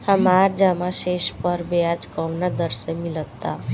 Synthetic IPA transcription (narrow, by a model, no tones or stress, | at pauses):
həmaːɾd͡ʒəmaʃeːʃpəɾbead͡ʒkɔʋnad̪əɾsemɪlət̪ːa